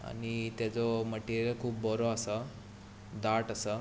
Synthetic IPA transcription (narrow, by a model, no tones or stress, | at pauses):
a̰ɽ̃it̪jat͡sɔməʈiɾakʰuːp̚bɔɾɔasa | d̪aʈasa